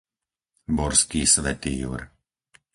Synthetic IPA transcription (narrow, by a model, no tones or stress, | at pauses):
bɔɾskiːsʋɛt̪ijṵːɾ